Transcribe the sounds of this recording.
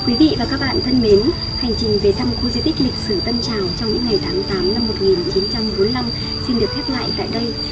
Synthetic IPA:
kwi˨˦vḭ˧˨vaː˨˩kaː˦˥k̚ɓa̰ː˧˨nt̪ʰə˧nme˨˦n | ha˨˩jŋ̟t͡ɕï˨˩ŋ̟ve˨˩t̪a˧mxu˧zi˧t̪i˦˥k̟̚lï˨˩k̚sɨ˧˩t̪ə˧nt͡ɕaː˨˩wt͡ɕɔ˧wŋ͡mɲɨ̰˧˥ŋːa˨˩jt̪ʰaː˨˦mt̪aː˨˦mna˧mːo˨˩t̚ŋi˨˩nt͡ɕi˨˦nt͡ɕa˧mɓo˨˦nla˧m | si˧nɗɨ˨˩ək̪̚ʰɛ˦˥p̚la̰ː˧˨jt̪a̰ː˧˨jɗə˧j

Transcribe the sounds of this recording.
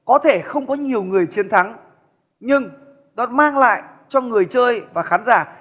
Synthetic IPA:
kɔ˨˦t̪ʰe˧˩xə˧wŋ͡mkɔ˨˦ɲi˨˩əwŋɨ˨˩əjt͡ɕi˨˦ənt̪ʰa˨˦ŋ | ɲɨ˧ŋ | nɔ˨˦maː˧ŋla̰ː˧˨j | t͡ɕɔ˧ŋɨ˨˩əjt͡ɕəː˧jvaː˨˩xaː˨˦nzaː˧˩

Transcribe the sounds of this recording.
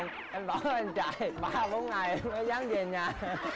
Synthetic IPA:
ŋ | ʔa˧nɓɔ˨˦nʔa˧jnt͡ɕa̰ː˧˨jɓaː˧ɓo˨˦nŋa˨˩jvəː˨˦jzaː˨˦ŋze˨˩ɲaː˨˩

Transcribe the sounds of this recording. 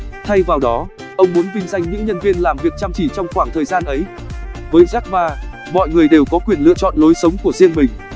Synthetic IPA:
t̪ʰa˧jvaː˨˩wɗɔ˨˦ | ʔə˧wŋ͡mmu˨˦nvï˧ŋ̟za˧jŋɲɨ̰˧˥ŋɲə˧nvi˧ənlaː˨˩mvi˨˩ət̚t͡ɕaː˧mt͡ɕi˧˩t͡ɕɔ˧wŋ͡mxwaː˧˩ŋt̪ʰəː˨˩jzaː˧nʔə˨˦j | vəː˨˦jzaː˦˥k̚ɓaː˧˩ | mɔ̰˧˨jŋɨ˨˩əjɗe˨˩wkɔ˨˦kwi˨˩ənlɨ̰˧˨ət͡ɕɔ̰˧˨nlo˨˦jsə˨˦wŋ͡mku˧˩əzḭ˧ənmï˨˩ŋ̟

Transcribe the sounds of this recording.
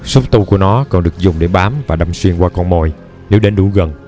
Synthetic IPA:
su˦˥k͡p̚t̪u˧ku˧˩ənɔ˨˦kɔ˨˩nɗɨ˨˩ək̚zʊ˨˩ŋ͡mɗe˧˩ɓaː˨˦mvaː˨˩ɗa˧mswi˧əŋkwaː˧kɔ˧nmo˧˨˩j | ne˨˦wɗe˨˦nɗu˧˩˦ɣə˨˩n

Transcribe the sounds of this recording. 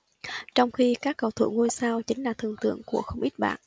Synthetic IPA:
t͡ɕɔ˧wŋ͡mxi˧kaː˦˥kːə˨˩wt̪ʰṵ˧˩ŋu˧jsaː˧wt͡ɕï˨˦ŋ̟laː˨˩t̪ʰɨ˧˩əŋt̪ɨ̰˧˨əŋku˧˩əxə˧wŋ͡mʔi˦˥t̚ɓa̰ː˧˨n

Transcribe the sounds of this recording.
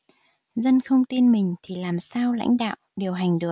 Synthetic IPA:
zə˧nxə˧wŋ͡mt̪i˧nmï˨˩ŋ̟t̪ʰi˨˩laː˨˩msaː˧wla̰˧˥jŋ̟ɗa̰ː˧˨wʔɗi˨˩əwɦa˨˩jŋ̟ɗɨ˨˩ə

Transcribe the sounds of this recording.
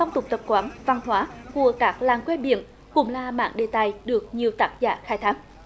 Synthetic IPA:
a˧wŋ͡mt̪ʊ˨˩k͡p̚t̪ə˨˩p̚kwaː˨˦nva˨˩ŋhwaː˨˦ku˧˩əkaː˦˥k̚laː˨˩ŋkwe˧˥ɓḭ˧˨ən | kʊ̰˧˥ŋ͡mlaː˨˩ma̰ː˧˥˨nɗe˨˩t̪aː˨˩jɗɨ˨˩ək̚ɲi˨˩əwt̪aː˦˥t̚za̰ː˧˩xaː˧˥jt̪ʰaː˦˥k̚

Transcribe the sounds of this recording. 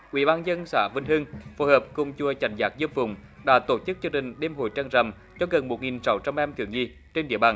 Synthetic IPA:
ʔwḭ˧˥ɓaː˧nzə˧nsa̰ː˧˩vi˧˩nhɨ˧ŋfo˧˦həː˨˩p̚kʊ˨˧˩ŋ͡mt͡ɕu˧˩ət͡ɕa˨˩jŋzaː˨˥k̚zə˧əmfʊ̰˨˧˩wŋ͡mɗa̰ː˧˥t̪o˧˩t͡ɕɨ˦˥k̚zɨ˧ŋɗï˨˩ŋ̟ɗe˧mɦo̰˧˨jt͡ɕaː˧ŋzə̰˨˩m | t͡ɕɔ˧ɣə˨˩nmo˨˩t̚ŋi˨˩nsa˨˦wt͡ɕa˧mʔɛ˧mt̪ʰɨ̰˨˧˩əŋɲi˧˩ | t͡ɕe˧nɗḭ˧˥əɓaː˧˩n

